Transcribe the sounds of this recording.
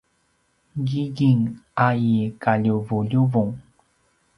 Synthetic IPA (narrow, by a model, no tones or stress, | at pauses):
ɡiɡiŋʔajikaʎuvuʎuvuŋ